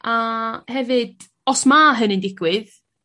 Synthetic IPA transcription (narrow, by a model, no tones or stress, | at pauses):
ahɛvɨd̥ | ɔsmaɦənɪndɪɡwɨð